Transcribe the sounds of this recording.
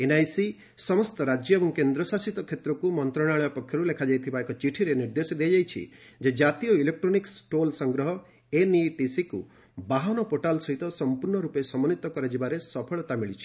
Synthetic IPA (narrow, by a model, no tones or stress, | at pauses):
enajsi | sɔmɔst̪ɔɾad͡ʒjɔebɔŋkend̪ɾɔsasit̪ɔkʰjet̪ɾɔkumɔnt̪ɾɔɽ̃aɭɔɔpɔkʰːjɔɾulekʰad͡ʒajt̪ʰibaekɔt͡ʃiʈʰiɾeniɾd̪esɔd̪ejad͡ʒajt͡ʃʰḭ | d͡ʒed͡ʒat̪ijɔilek̚ʈɾoniksʈolsɔŋɡɾɔɦɔ | eniʈisiku | baɦanɔpoʈalsɔɦit̪ɔsɔmpuɾɳɔɾupesɔmɔnit̪ɔkɔɾad͡ʒibaɾesɔpʰɔɭɔt̪amiɭit͡ʃʰi̥